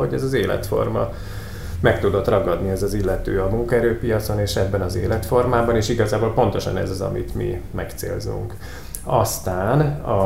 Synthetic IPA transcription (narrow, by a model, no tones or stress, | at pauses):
hoɟɛzɒzeːlɛ̰t̪fo̞̰rmɒ̰ | mɛkt̪ud̪o̞t̪rɒɡɒd̪niɛzɒzilːɛt̪øːɒmuŋkɒɛɾøːpijɒt̪so̞neːʃɛbːɛnɒzḛːlɛt̪fo̞rmaːbɒneːʃiɡɒzaːboːlpo̞nt̪o̞ʃɒ̰nɛ̰zɒzɒ̰mḭt̪mḭmɛkt̪sḛːlzṵŋk | ɒst̪aːnɒ